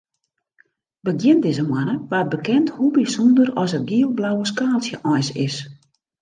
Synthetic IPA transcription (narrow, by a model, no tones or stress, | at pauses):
bəɡjɪndɪzəmwanəʋaːt̚bəkɛnthubisɔndərɔsət̚ɡiəlˠblawəskaːlsjəʔɔjsɪ̰s